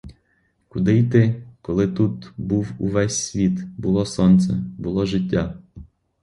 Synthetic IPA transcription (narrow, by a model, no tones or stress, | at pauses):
kʊd̪ɪjt̪ɪkɔlˠɪt̪ut̪buwuʋɛsʲsʲʋʲit̪bʊlˠɔsɔnt̪sɛbʊlˠɔʒɪt̬ʲːa